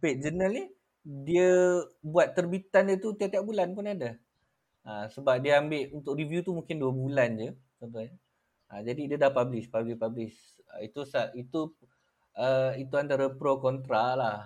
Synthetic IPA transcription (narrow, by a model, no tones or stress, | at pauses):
peʔ̚d͡ʒənəlni | diəbuat̪ːərbit̪andiət̪ut̪iaʔ̚t̪iaʔ̚bulanpʊnada | asəbap̚diəambɪʔunt̪ʊkrivjut̪umũŋkɪnduəbuland͡ʒə | t͡ʃɔnt̪̬ʊɲə | ad͡ʒadidiədahpablɪspablɪspablɪs | ə̰it̪usait̪u | əit̪uant̪aɾəpɾokɔnt̪ɾaʔlah